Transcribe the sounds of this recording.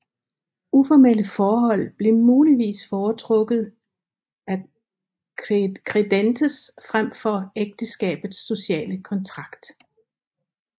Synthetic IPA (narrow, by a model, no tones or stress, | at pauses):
ufɒmel̰əfɒːɦɒ̽l̰b̥le̝muːliʋḭːsfɒːt͡sʰʁɔ̽ɡ̥ð̩ˠ | æ | kʰʁed̥end̥ʰəsfʁam̰fɒ̽eɡ̥̚d̥əsɡ̥ɛ̰ːb̥ð̩ˠsːo̝ɕɛ̰ːləkʰɒ̽nt͡sʰʁɑ̈ɡ̥d̥